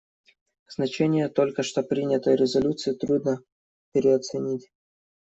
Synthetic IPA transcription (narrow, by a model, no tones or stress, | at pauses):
znɐt͡ɕenʲɪjət̪o̞lʲkəʂt̪o̞pɾʲinʲət̪əjəɾʲɪzɐlʲut̪sɨjɪt̪ɾud̪nə | pʲɪɾʲɪɐt̪sɨnʲitʲ